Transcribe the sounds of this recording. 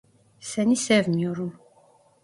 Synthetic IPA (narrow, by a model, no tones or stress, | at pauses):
sænisævənjuɾum